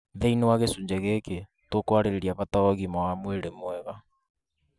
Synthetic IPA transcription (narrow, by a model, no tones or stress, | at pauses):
ðeinewaɣesuːɲd͡ʑeɣeke | tokwaɾeɾeɾiaβataɔɣimawamweɾemwɛβa